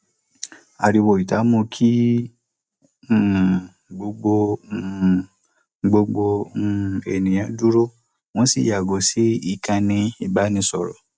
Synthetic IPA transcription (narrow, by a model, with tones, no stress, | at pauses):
a˨ɾi˧wo˨i˨ta˨˦mũ˧kʰi˦˨ | ɡ͡bo˧ɡ͡bo˧ | ɡ͡bo˧ɡ͡bo˧˦˨ | e˨nĩ˨j̃ã˧du˦ɾo˦ | w̃ɔ̃˦si˦˨ja˨ɡo˨si˦i˦˨kã˧nĩ˧i˦˨ba˨˦nĩ˧sɔ˨ɾɔ̰˨